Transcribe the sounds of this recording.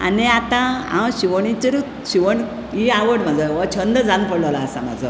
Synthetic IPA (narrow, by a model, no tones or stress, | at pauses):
a̰niat̪ãã̰wɕiʋəɳit͡ɕəɾ | ɕiʋəɳ | iaʋəɽm̤ad͡zəʋt͡ɕʰənd̪əd͡zãnpəɽləʋlaːsa̰ma̰d͡zʱə